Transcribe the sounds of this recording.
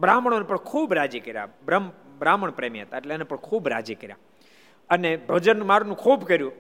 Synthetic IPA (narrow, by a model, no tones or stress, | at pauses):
bɾaməɳ̃onepəɳkʰuːbɾad͡ʒikəɾja̰bɾəm | bɾaməɳpɾemiɦət̪aeʈleenepəɳkʰuːbɾa̰d͡ʒikəɾja̰ | ənebʱəd͡ʒənmaɾunũkʰuːbkəɾjũ